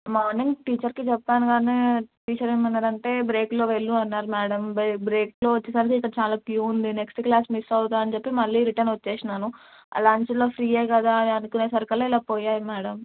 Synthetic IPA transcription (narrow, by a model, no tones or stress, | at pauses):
maːɾniŋʈiːt͡ʃɐɾkit͡ʃɛpːaːnuɡaːniʈiːt͡ʃɐɾeːmɐnːaːɾɐɳʈe̞ːbɾe̞ːklo̞ːʋeɭːuɐnːaːɾumɛːɽɐmbbɾeːklo̞ːʋɐt͡ʃːesɐɾik̬iːkːɐɽɐt͡ʃaːlaːkjuːund̪ine̞ksʈklaːsmisɐwut̪aːɐnit͡ʃepːimɐɭːiːɾiʈɐnʋɐt͡ʃːeːsinaːnu | ɐ̰laːɲt͡ʃɐloːpʰɾiːeːkɐd̪aːɐnukuneːsɐɾkɐlɐilaːpoːjaːjimɛːɽɐm